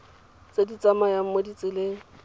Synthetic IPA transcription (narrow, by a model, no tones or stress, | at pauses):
t͡sʼedit͡sʼamajam̩modit͡sʼɪle